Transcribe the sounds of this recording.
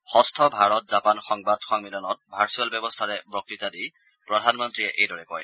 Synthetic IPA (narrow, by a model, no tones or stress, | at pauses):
xɔstʰɔbʱaɹɔt̚zapanxɔŋbadxɔŋmilɔnɔt̚bʱaɹsualbjɛbɔstʰaɹɛbɹɔk̚ɹitadi | pɹɔdʱanmɔntɹiɛʔejdɔɹɛkɔ̰j